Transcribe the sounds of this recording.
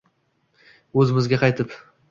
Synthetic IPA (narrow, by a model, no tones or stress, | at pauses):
ɵzɪmɪzɡʲaqʰɑjt̪ʰɪp